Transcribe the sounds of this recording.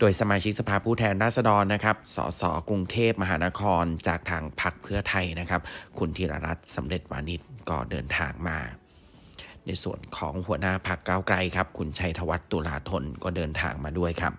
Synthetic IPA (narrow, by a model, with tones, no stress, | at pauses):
doː˧jsa˧maː˧t͡ɕʰi˦˥k̚sa˧pʰaː˧pʰuː˥˩t̪ʰɛː˧nɾaː˥˩t̪̚sa˧dɔː˧nːa˦˥kʰa˦˥p̚sɔ̰ː˩˦sɔ̰ː˩˦kɾu˧ŋt̪ʰeː˥˩p̚ma˧ɦaː˩˦na˦˥kʰɔː˧nt͡ɕaː˨˩k̚t̪ʰaː˧ŋpʰa˦˥k̚pʰɯ˥˩ɐt̪ʰa˧jna˦˥kʰa˦˥p̚kʰu˧nt̪ʰiː˧ɾa̰ː˧ɾa˦˥t̪̚sa˩˦mɾe˨˩t̪̚wa̰ː˧ni˦˥t̪̚kɔː˥˩dɤː˧nt̪ʰaː˧ŋmaː˧ | na˧jsṵ˨˩ənkʰɔ̰ː˩˦ŋhu˩˦ənaː˥˩pʰa˦˥kːaː˥˩wkɾa˧jkʰa˦˥p̚kʰu˧nt͡ɕʰa˧jt̪ʰa˧wa˦˥t̪ːu˧laː˧t̪ʰo˧nkɔː˥˩dɤː˧nt̪ʰa̰ː˧ŋmaː˧du˥˩əjkʰa˦˥p̚